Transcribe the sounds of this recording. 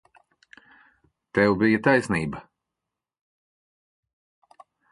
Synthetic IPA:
t̪ɛwbijɐt̪ajsniːbɐ

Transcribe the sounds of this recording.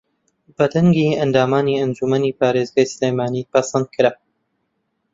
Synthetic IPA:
b̥ɐd̪ɐŋɡiɐnd̪aːmaːniːɐnd͡ʒumɐniːpaːɾeːzɡaːjsɨleːjmaːnipasɐnd̪̚kʰɨɾa

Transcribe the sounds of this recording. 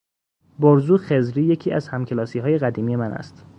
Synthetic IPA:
boɾzuːxezɾiːje̞cʰiːæzhæmcʰelɒːsiːɦɒːje̞ɣæd̪iːmije̞mænʔæ̰st̪

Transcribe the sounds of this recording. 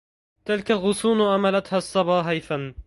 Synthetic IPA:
t̪ɪlkalɣʊsuːnʔamalat̪hasˤːɑbɑːɦajθan

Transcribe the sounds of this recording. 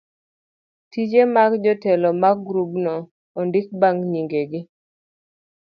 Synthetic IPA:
tid͡ʒemaɡd͡ʒɔtɛlɔmaɡɡɾubnɔː | ndɪk̚baŋɲiŋɡeɡɪ

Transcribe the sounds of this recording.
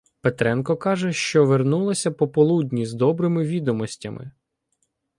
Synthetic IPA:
pet̪ɾɛnkɔkɑʒɛʃt͡ʃɔʋernulˠɔsʲɐpɔpɔlˠudʲnʲizd̪ɔbɾɪmɪʋʲid̪ɔmɔsʲtʲɐmɪ̰

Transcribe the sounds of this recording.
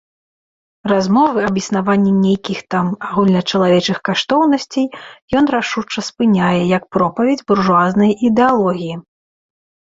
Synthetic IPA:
razmɔvɨɐbjisnavanʲːɛnʲejkʲixt̪amaɣulʲnɐt͡ʂɐlˠavʲɛt͡ʂɨxkaʂt̪ɔwnɐsʲt͡sʲejjɔn̪raʂut͡ʂːɐspɨnʲajɛjɐk̚pɾɔpɐvʲed͡zʲburʐuaznɐjʔid̪ɛalˠɔɣʲiji

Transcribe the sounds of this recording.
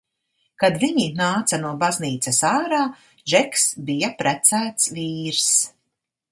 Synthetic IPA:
kad̪viɲinaːt̪sanuɔbazniːt̪sɛsaːɾaː | ʒɛksbijapɾæt̪sæːt̪sviːɾs

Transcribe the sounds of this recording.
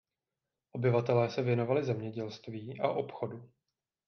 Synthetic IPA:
ʔo̞bɪvat̪ɛlɛːsɛvjɛno̞valɪzɛmɲɛɟɛlst̪viːʔaʔo̞pxo̞du

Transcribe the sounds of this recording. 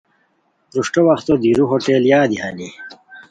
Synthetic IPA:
ɾuʂʈowɐxt̪od̪iɾuɦoʈeːljaːd̪ihani

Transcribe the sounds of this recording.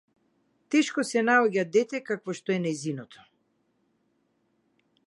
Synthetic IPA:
t̪ɛʃkɔsɛnaɔɟad̪d̪ɛt̪ɛkakvɔʃt̪ɔɛnɛjzinɔt̪ʰɔ̥

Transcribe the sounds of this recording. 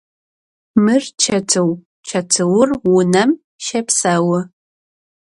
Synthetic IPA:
mɨrt͡ʃʰɐtʰɨw | t͡ʃʰɐtʰɨwʊrwʊnɐm | ʃɐpʰsawɐ

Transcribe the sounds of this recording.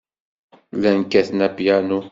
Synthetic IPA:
lænkæθnæpjanu

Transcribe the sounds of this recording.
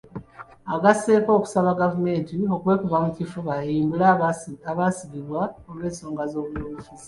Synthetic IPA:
aɡase̞ːko̞ːku̥saβaɡavume̞ːntio̞kwe̞ːkuvamucifuβajiːmbulaaβasiβiβwaolwe̞ːnso̞ːŋɡazo̞ːβuloβufizi

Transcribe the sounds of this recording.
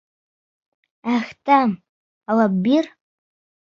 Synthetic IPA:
axtʰʼam | awabbir

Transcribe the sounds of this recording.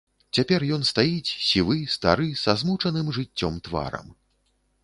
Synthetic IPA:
t͡sʲapʲɛrjɔnst̪ajit͡sʲsʲivɨst̪aɾɨsazmut͡ʂɐnɨmʐɨt͡sʲːɔmt̪va̰ɾɐ̰m

